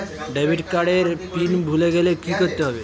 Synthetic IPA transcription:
ɖeʋiʈkaɽeɾpinbʱuleɡelekikəɾt̪əɦəʋe

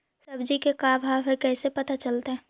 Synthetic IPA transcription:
sɐbd͡ʒikekaːbʱaːʋɛ̃kɛːsepɐt̪at͡ʃɐlt̪eɦɛ̃ː

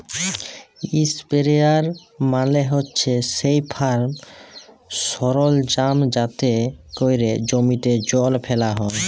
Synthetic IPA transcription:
ispeɾeaɾmaleɦotːɕʰesejpʰaɾm | sɔɾold͡ʑamd͡ʑat̪ekojɾed͡ʑomiʈed͡ʑɔlpʰɛlaɦɔe

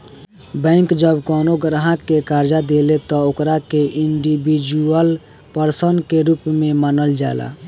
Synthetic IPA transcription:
bə̃ɪŋkd͡ʒəbkɔnoɡɾaɦəkːekaɾd͡ʒad̪elet̪ɔokɾakeʔiɳɖibid͡ʒuəl | pəɾsənkeɾupmemanəld͡ʒala̰

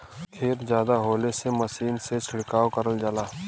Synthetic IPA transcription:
k̪ʰeːɾzjaːd̪aɦoːleseməsiːnset͡ʃʰɪɽkaːwkəɾəld͡ʒalaː

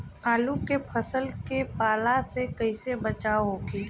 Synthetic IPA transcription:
aːlukepʰəsəlkepaːlasekəɪsebət͡ʃaːoɦoɡiː

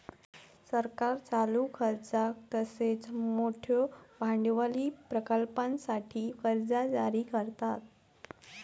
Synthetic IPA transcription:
səɾkaɾt͡salukʰəɾd͡zak̚t̪əset͡smoʈʰjobʱaɳɖʋaliːpɾəkəlpãnsaʈʰiːfəɾd͡zad͡zaɾiːkəɾt̪at̪̚

